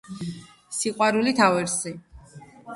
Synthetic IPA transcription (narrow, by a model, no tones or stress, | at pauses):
siqʼwaɾulit̪ʰavɛɾsi